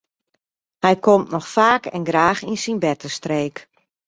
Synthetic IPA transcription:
hɛjkomtnɔxfaːkʰɛ̰nɡɾaːxinsinbɛtəstreːk

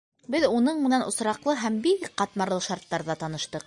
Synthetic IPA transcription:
bɘðunɤɴmɘ̆nænʔŏsɾɑqlˠɤɦæmbikqɑt̪mɑɾlˠɤʃɑɾt̪ːɑɾðɑt̪ɑnɤ̆ʃt̪ɤq̚

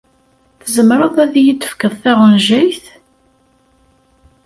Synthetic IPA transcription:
θəzəmɾəðˤæðjid̪ə̥fkəðˤθæʁənʒæjθ

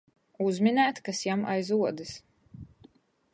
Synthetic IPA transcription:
uzmʲinæːt̪kasjama̰jzuɔd̪ɨs

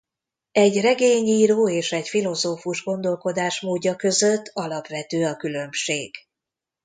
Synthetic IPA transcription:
ɛɟrɛɡeːɲiːɾoːeːʃɛɟfilo̞zoːfuʒɡo̞nd̪o̞lko̞d̪aːʃmoːɟːɒkø̞zøt̪ːɒlɒpʋɛt̪øːɒkylø̞mʃeːɡ̥

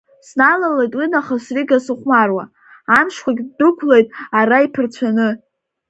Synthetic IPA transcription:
snalalejtʼwinaχasriɡasɨχʷmarwa̰ | amʃkʷaɡʲdɨkʷʰlejtʼaraipʰɨrt͡ɕʷʰanɨ

